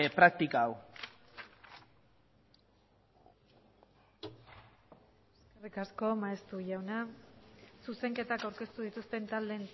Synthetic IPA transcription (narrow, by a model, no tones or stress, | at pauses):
epɾak̚t̪ikaːw | eskerikasko̞maest̪uʝawna | suse̞ŋke̞t̪akawɾke̞st̪uðit̪ust̪e̞nt̪ald̪e̞n